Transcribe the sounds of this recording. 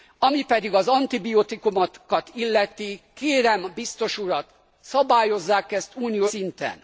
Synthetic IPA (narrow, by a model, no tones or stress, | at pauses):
ɒmipɛd̪iɡɒzɒnt̪ibiot̪ikumɒkɒt̪ilːɛt̪ikeːɾɛmbist̪o̞ʃuɾɒt̪ | sɒbaːjo̞zːaːkɛst̪uːnijosint̪ɛ̰n